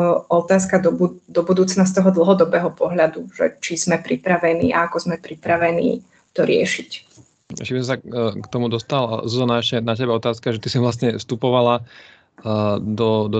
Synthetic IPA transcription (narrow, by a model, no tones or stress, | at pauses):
ɔt̪aːskad̪ɔbud̪ɔbud̪uːt͡snas̬t̪ɔɦɔd̪l̩ˠɦɔd̪ɔbɛːɦɔpɔɦʎad̪uʒ̥ɛ̰t͡ʃiz̥mɛpɾipɾaʋɛnḭːʔa̰akɔzmɛpɾipɾaʋɛnḭː | t̪ɔɾɪɛ̰ʃic | ɛ̰ʃcɛbisɔ̃msakt̪ɔmud̪ɔst̪alzzɔnaɛʃcɛnacɛbaɔt̪aːskaʒɛt̪isiʋlast̪ɲɛfst̪upɔʋala | d̪ɔd̪ɔ